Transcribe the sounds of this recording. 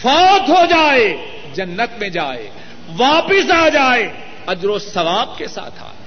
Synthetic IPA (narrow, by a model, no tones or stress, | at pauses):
fʰaːt̪ɦod͡ʒaːe | d͡ʒɐnːət̪mẽd͡ʒaːḛː | ʋaːpɪsaːd͡ʒaːe | ɐd͡ʒɾosɐʋaːb̚kesa̰ːt̪ʰa̰ː